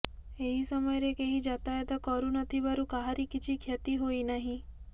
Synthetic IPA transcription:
eɦisɔmɔjɔɾekeɦid͡ʒat̪ajet̪ɔkɔɾunɔt̪ʰibaɾukaɦaɾikit͡ʃʰikʰjɔt̪iɦoinaɦĩ

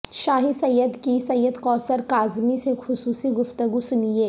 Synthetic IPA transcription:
ʃaːɦisɐjːəd̪kisɐjːəd̪kɔːsəɾkaːzmisexʊsuːsiɡʊft̪əɡusʊnijeː

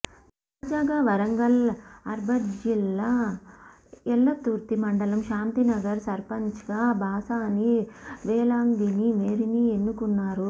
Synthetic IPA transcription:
t̪aːd͡ʒaːɡaʋɐɾɐŋɡɐlɐɾbʱɐd͡ʒilːɐ | ɛlːɐt̪uːɾt̪imɐɳɖɐlɐmʃaːnt̪inɐɡɐɾsɐɾpɐɲt͡ʃɐɡaːbʱaːsaːniʋɛːlaːmd̪inimeːɾinienːukunːaːɾu

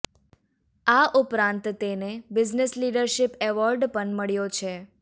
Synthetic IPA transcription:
aʔʊpɾãnt̪t̪enebɪd͡ʒnesliɖəɾʃɪpɛʋɔɾɖpəɳməɭjot͡ʃʰe

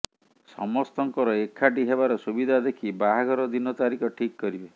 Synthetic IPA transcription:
sɔ̰mɔst̪ɔŋkɔɾɔekʰːaʈiɦebaɾɔsubid̪ʱad̪ekʰibaɦaɡɔɾɔd̪inɔt̪aɾikʰɔʈʰikːɔɾibe

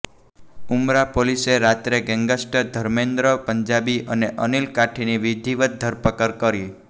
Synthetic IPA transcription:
umɾapoliseɾat̪ɾeɡɛŋɡəsʈəd̪ʱəɾmend̪ɾəpəɲd͡ʒabiʔəneʔənilkaʈʰiniʋid̪ʱiʋət̪̚d̪ʱəɾpəkəɾkəɾi

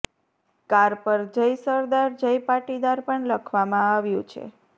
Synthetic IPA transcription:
kaɾpəɾd͡ʒəjsəɾd̪aɾd͡ʒəjpaʈid̪aɾpəɳləkʰʋamãaʋjũt͡ʃʰḛ

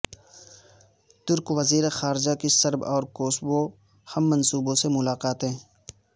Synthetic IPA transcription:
t̪ʊɾkwɐziːɾexaːɾd͡ʒakisɐɾbɔːɾkoːsbo | hɐmːɐnsuːbõsemʊlaːqaːt̪ɦɛ̃ː

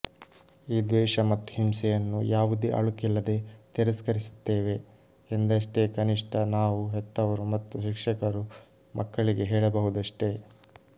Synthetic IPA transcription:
iːd̪ʋɛːʂɐmɐt̪ːu̥ɦimsɛjɐnːujaːʋud̪iʔɐ̰ɭukɛlːɐd̪e̞t̪ɛɾɐskɐɾisu̥t̪ːeːʋe̞ | end̪ɐʂʈe̞kɐniʂʈʰɐnaːʋuɦɛt̪ːɐʋɐɾumɐt̪ːuʃikʂɐkɐɾu | mʔɐkːɐɭiɡe̞ɦɛːɭɐbɐɦud̪ɐʂʈe̞

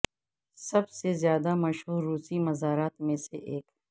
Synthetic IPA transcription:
sɐbsezjaːd̪amɐʃɦuːɾːuːsimɐzaːɾaːt̪mẽseʔeːk

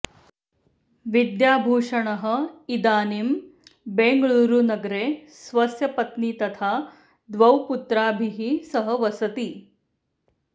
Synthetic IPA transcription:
ʋid̪jaːbʱuːʂɐɳɐɦɐ̆id̪aːnimbeːŋɡɐɭuːɾunɐɡɾeːsʋɐsjɐpɐt̪nit̪ɐt̪ʰaː | d̪ʋɐwput̪ɾaːbʱiɦisɐɦɐʋɐsɐt̪i

